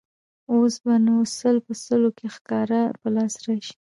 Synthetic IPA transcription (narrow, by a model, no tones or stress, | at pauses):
osbanosəlpəsəlokexkɑɾapəlɑsɾaʃi̥